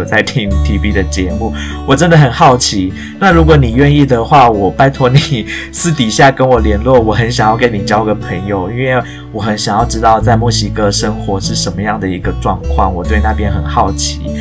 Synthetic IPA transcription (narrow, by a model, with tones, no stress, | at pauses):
t͡sa˥˩ɪt̪ʰi˦˥ŋt̪ʰi˧˥pi˥d̪ə˨t͡ɕjɛ˧˦mu˥˩ | wɔ˨˩ʈ͡ʂə˦nd̪ə˨xə˨˩nxɑ˥˩ʊt͡ɕʰi˧˥ | na˥˩ɻu˧˥k̬wɔ˧˦ni˨˩ɥɛ˥˧ni˥˩d̪ə˩xwa˥˩wɔ˨˩pa˥ɪt̪ʰwɔ˧˥ni˨˩ | sɹ̩˥˩t̪i˨˩ɕja˥˩kə˦˥nwɔ˨˩ljɛ˧˥nlwɔ˥˩wɔ˨˩xə˧˦nɕjɑ˨˩ŋjɑ˥˩ʊke˥ɪni˨˩t͡ɕjɑ˥ʊi˧ɡə˨˩pʰə˧˥ŋjo˨˧ʊi˥nwe˥˩ɪ | wɔ˨˩xə˧˥nɕjɑ˨˩ŋjɑ˥˩ʊʈ͡ʂɻ̩˥t̪ɑ˥˧ʊt͡sa˥˧ɪmwɔ˥˩ɕi˧˥kɤ˥ʂə˥ŋxwɔ˧˥ʂɻ̩˥˩ʂə˧˥nmə˧jɑ˥˩ŋd̪ə˩i˧˥ɡə˧ʈ͡ʂwɑ˥˧ŋkʰwɑ̰˥˩ŋwɔ˨˩t̪we˥˧ɪna˥˧pjɛ˥nxə˨˩nxɑ˥˩ʊt͡ɕʰi˧˥˦